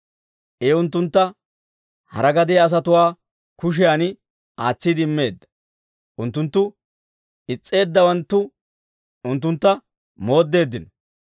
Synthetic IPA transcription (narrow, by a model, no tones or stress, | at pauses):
ʔeʊnt̪ːʊnt̪ːɐ | hɐ̰ɾɐɡɐd̪ɪjɐːs̬ɐt̪ʊwaː | kʊʃ̬ɪjaːnɪ | aːt͡sːɪd̪ɪɪmːe̞ːd̪ːɐ̥ | ʔʊnt̪ːʊnt̪ːʊ | ɪt͡sʼːe̞ːd̪ːɐwɐnt̪ːʊ | ʊnt̪ːʊnt̪ːɐ | mo̞ːd̪ːe̞ːd̪ːɪnɔ